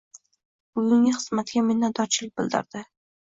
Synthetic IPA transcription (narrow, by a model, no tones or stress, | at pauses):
b̥ʊɡʲʊŋɡʲɪχɨz̥mat̪ɡʲamɪnːad̪ɒɾt͡ʃʰɪlɪk̚ʲbɪlˠd̪ɪ̰ɾd̪̥ɪ